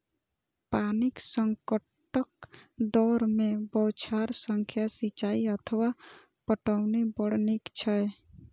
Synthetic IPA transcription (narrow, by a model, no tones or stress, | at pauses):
panɪksəŋkə | ʈəkd̪ɔːɾmẽbɔwt͡ʃʰaɾsə̃ŋkʰjasit͡ʃaːiət̪ʰəwa | pəʈəʊnibəɽnikt͡ʃʰəj